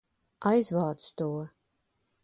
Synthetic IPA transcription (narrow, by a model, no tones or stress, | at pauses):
ajzvaːt̪st̪uːɔ